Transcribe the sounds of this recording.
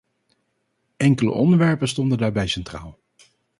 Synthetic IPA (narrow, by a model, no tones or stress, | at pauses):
ʔɛŋkələ̰ʔɔndəɹʋɛɹpəstɔndəndaːɹbɛjsɛntra̰ːlˠ